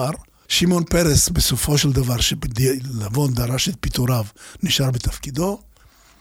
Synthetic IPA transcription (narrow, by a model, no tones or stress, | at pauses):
aɾ | ʃimo̞npe̞ɾesbesofo̞ʃeld̪avaʁʃebd̪ilavo̞nd̪aɾaʃet̪̚pit̪oɾavniʃaɾbet̪afkid̪o̞